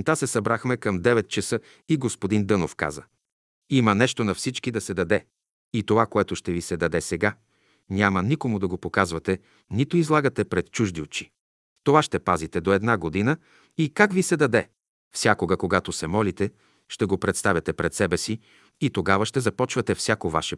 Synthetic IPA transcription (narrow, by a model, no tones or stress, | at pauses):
t̪asɛsɐbɾaxmɛkəmd̪ɛvɛt̪̚t͡ʃɐsɤ | iɡospod̪ind̪ɤnofka̰zə | imənɛʃt̪onɐfsit͡ʃkid̪ɐsɛd̪ɐd̪ɛ | it̪ovakoɛt̪ʊʃt̪ɛvisɛd̪ɐd̪ɛsɛɡa | nʲamɐnikomʊd̪ɐɡopokazvɐt̪ɛ | nit̪oizlˠaɡət̪ɛpɾɛt̪̚t͡ʃuʒd̪iot͡ʃi̥ | t̪ovaʃt̪ɛpazit̪ɛd̪oɛd̪naɡod̪inə | ikakvisɛd̪ɐd̪ɛ | fsʲjakoɡɐkoɡat̪osɛmɔlit̪ɛ | ʃt̪ɛɡopɾɛt̪st̪avʲjɐt̪ɛpɾɛt̪sɛbɛsi | it̪oɡavɐʃt̪ɛzɐpɔt͡ʃvɐt̪ɛfsʲakova̰ʃɛ